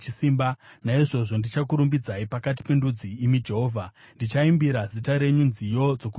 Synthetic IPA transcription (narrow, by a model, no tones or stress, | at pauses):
t͡ʃisimbanaiʐo̞ʐo̞ndit͡ʃakuɾumbid͡zaipakat̬i̥pe̞ndud͡ziːmid͡ʒe̞ɦoːvʱa | ndit͡ʃaimbiɾazitaɾe̞ɲunzijo̞d͡zo̞ku